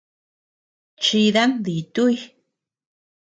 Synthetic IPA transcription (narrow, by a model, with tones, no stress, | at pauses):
t͡ʃi˧ða˦nd̪i˨t̪u˦j